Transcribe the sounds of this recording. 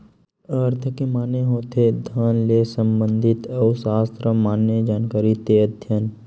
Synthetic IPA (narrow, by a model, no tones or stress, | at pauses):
əɾt̪ʰəkemaːneɦoːt̪ʰed̪ʱanlesəmbə̃nd̪ʱɪt̪ɔːsaːst̪ɾəmaːnjəd͡ʒaːnkaːɾit̪eəd̪ʱjən